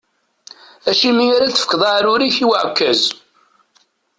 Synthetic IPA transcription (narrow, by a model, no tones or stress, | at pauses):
æʃimiaɾaθə̥fə̥kðˤaʕɾʊɾiçiwəʕkːæz